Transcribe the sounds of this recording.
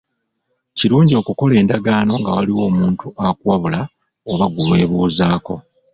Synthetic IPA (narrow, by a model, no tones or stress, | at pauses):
ciɾuːɲɟio̞ːkuko̞le̞ːndaɡaːno̞ŋɡawaliwo̞ːmuːntuʔakwaβula | oβaɡulwe̞ːβuːzaːko̞̰